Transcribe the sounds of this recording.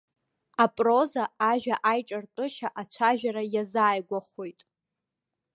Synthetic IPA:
apʼro̞zaaʒᶣaʔajʈ͡ʂʼartʼʊʃaʔat͡ɕʷʰaʒᶣaɾajazaːjɡʷaχojtʼ

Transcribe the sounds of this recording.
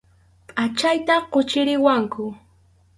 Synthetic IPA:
pʼat͡ʃajt̪aqot͡ʃɪɾɪwaŋkʊ

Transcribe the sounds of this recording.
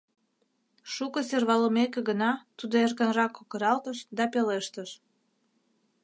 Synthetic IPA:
ʃukəserβɑləmekeɡənɑt̪ud̪oerkənrɑkːokəɾɑlt̪əʃd̪ɑpeleʃt̪əʃ

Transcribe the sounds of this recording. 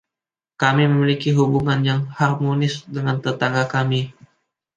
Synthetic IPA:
kamiməmilikiɦubuŋanjaŋharmonɪsdəŋant̪ət̪aŋɡakami

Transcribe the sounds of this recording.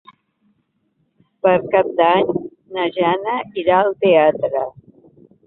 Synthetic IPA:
pəɾkap̚d̪aɲ | nəʒanəiɾaəlˠt̪eat̪ɾə

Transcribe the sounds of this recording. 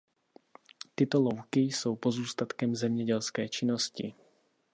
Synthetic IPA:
t̪ɪt̪ɔlɔwkisowpozuːst̪at̪kɛmzɛmɲɛɟɛlskɛːt͡ʃinɔscḭ

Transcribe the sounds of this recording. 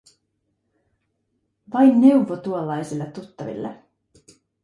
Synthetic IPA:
ʋɑjnːe̞wʋot̪uolːɑjsilːɑt̪ːut̪ːɑʋḭlːḛ

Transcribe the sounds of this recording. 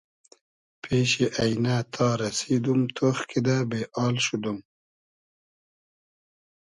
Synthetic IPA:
pʰeʃeʔajnat̪ʰɑːɾasid̪umt̪ʰoxkʰid̪abeʔɑːlʃud̪um

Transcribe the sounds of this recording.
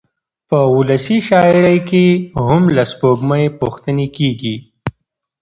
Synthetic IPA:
pəʊləsiʃɑɪɾəjkeɦʊmlaspoɡmaepoxt̪ənekeːɡi

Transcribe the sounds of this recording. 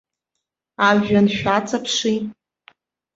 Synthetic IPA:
aʒanʃᶣat͡sʰʼapʰʂi

